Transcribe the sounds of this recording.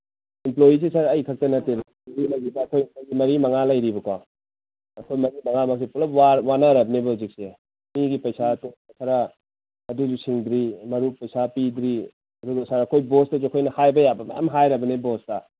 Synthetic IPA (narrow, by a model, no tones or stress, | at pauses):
implojis̬esaɾɐjkʰɐk̚tɐnɐteɾ | ɾilɐjɾibɐːkʰojkojɡimɐɾimɐŋalɐjɾibɐkaw | ɐkʰojmɐɾimɐŋamak̚s̬epulɐpwawanaɾɐb̚nebɐuzik̚se | miɡipɐjsatoakʰaɾa | ɐduzusiŋdɾimɐɾupɐjsapidɾi | ɐduɡɐsaɾɐkʰojbostɐzuɐkʰojnɐhajbɐjabɐma̰ja̰mɦajɾɐbɐnebostɐ